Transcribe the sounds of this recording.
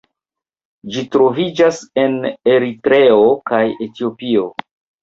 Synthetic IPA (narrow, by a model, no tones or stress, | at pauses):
d͡ʒitɾo̞vid͡ʒase̞ne̞ɾitɾe̞o̞kaje̞tio̞pio̞